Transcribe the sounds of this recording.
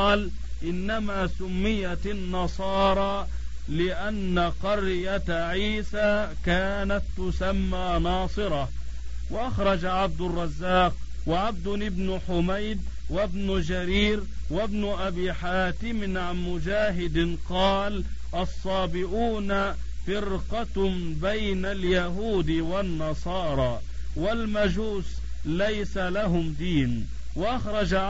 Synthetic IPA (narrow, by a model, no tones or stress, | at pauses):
ɑːl | ʔɪnːamaːsʊmːɪjanːɑsˤɑːɾˤɑː | lɪʔanːaqɑɾjat̪ʕiːsaːkaːnat̪ːʊsamːaːnɑːsˤɨɾˤɑ | waʔaxɾˤɑd͡ʒaʕab̚d̪ʊrˤːɑzːaːq̚ | waʕab̚d̪ʊnɪbnʊħʊmajd̪̚wabnʊd͡ʒaɾiːɾwabnʊʔabiːħaːt̪ɪmɪnʕanmʊd͡ʒaːɦɪd̪ɪqɑːlʔɑsˤːɑːbɪʕuːna | fɪɾqɑbajnaljaɦuːd̪ɪwanːɑsˤɑːɾˤɑː | walmad͡ʒuːs | lajsalaɦʊmd̪iːn | waʔaxɾˤɑd͡ʒa